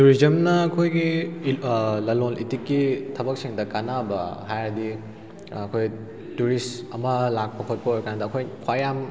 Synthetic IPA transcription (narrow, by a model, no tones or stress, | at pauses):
tuɾizɐmnɐːkʰojɡi | lɐlolʔitikːitʰɐbɐk̚siŋdɐkanabɐ̰ɦajɾɐdi | ɐkʰoj | tuɾistɐmɐlak̚pɐkʰot̚pɐojɾkandɐːkʰojkʰwajam